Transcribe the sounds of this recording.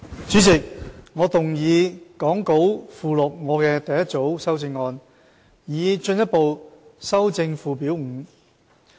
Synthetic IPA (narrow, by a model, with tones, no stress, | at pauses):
t͡syː˨˥t͡sɪ˨k̚ŋɔː˨˧t̪ʊ˨ŋjiː˨˧kɔː˨˥ŋko˨˥wfuː˨˩lɔ˨˩k̚ŋɔː˨˧kɛː˧t̪ɐ˨jɐ˥t̚t͡so˨˥wsɐ˥wt͡sɪ˧ŋːɔː˧n | jiː˨˧t͡ʃɵ˧njɐ˥t̚po˨wsɐ˥wt͡sɪ˧ŋfuː˨piː˨˥wŋ̩˨˩˥